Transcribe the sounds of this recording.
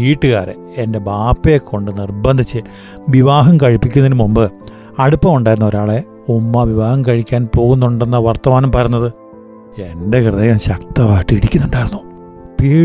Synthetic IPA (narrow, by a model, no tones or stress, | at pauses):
iːʈːɨɣaːɾḛ | ende̞baːpːe̞kʰːo̞ɳɖɨnirbɐnd̪ʱit͡ɕːɨ | ʋiʋaːɦɐmkɐɻipːikʲːunɐinɨmumbɨ | ɐɽupːɐmuɳɖaːjɾunːɐo̞ɾaːɭe̞ | umːɐʋiʋaːhɐmkɐɻikʲːaːnpo̞ːɣunːuɳɖe̞nːɐʋɐrt̪ːɐmaːnɐmpɐɾɐjunːɐðɨ | e̞nde̞krɨðeːjɐmɕɐkt̪ɐʋaːjʈːɨiɽikʲːunːuɳɖaːjiɾunːu | piː